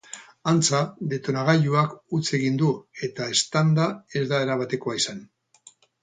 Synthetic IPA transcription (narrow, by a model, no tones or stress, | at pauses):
ant͡saðe̞t̪o̞naɣ̞aʎuakut͡se̞ɣind̪ue̞t̪ae̞st̪and̪ae̞zðae̞ɾaβat̪e̞ko̞aisan